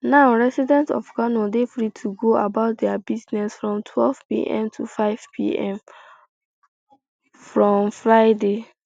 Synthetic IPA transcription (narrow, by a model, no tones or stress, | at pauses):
nãʊɹɛsidɛ̃ntɔ̰fɡanodefɹitʰuɡoabaʊt̚dɛabiznɛsfɹɔ̃mtʰwɛlv̥pḭʔɛ̰̃mtʰufaɪvpʰḭɛ̰̃m | fɹɔ̃mfɹaɪde